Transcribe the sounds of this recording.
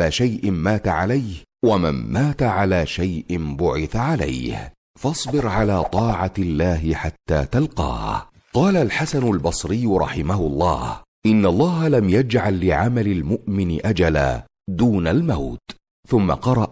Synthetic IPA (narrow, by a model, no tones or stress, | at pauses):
aːʃajʔɪmaːt̪aʕalajhwama̰nːaːt̪aʕalaːʃajʔɪmbʊʕɪθaʕala̰jh | fɑsˤbɪɾʕalaːt̪ˤɑːʕalːaːɦɪħat̪ːa̰ːt̪alqɑ̰ː | qɑːlalħasanʊlbɑsˤɾɪjːɾˤɑ̰ħɪmahʊlˤːɑ̰ːh | ʔɪnːalˤːɑːɦalamjad͡ʒʕalːɪʕamalɪlmʊʔmɪnɪʔad͡ʒala̰ː | d̪uːnalmawt̪ | θʊmːa̰qɑɾˤɑʔ